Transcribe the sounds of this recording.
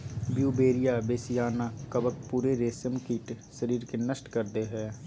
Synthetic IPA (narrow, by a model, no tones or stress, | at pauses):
bjuːbeːɾijaːbeːsɪjaːnaːkəbək̚puːɾeːɾeːsəmkiːʈ | səɾiːɾkenəsʈkəɾd̪eːɦɛː